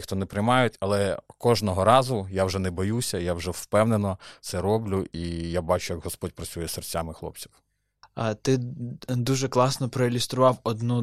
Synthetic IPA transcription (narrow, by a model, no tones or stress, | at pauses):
xt̪ɔnɛpɾejmɑjʊtʲɐlˠɛkɔʒnɔɦɔɾɑzʊjawʒɛnɛbɔjusʲɐjawʒɛwpɛwnenɔt̪sɛɾɔblʲʊʔijabɑt͡ʃʊjɐɡɦɔspɔdʲpɾɐt͡sʲujɛsert͡sʲamɪxlˠɔ̰p̚t͡sʲi̥w | t̪ɪd̪uʒɛklˠɑsnɔpɾɔɪlʲʊst̪ɾʊʋɑwɔd̪nu